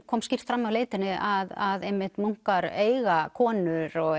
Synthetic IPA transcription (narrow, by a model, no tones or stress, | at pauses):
kʰɔːmscir̥t̪fɾamːawleːjt̪ɪnːɪʔaðaðejmːɪht̪muŋ̥kaɾeːjɣakʰɔːnʏɾɔɣ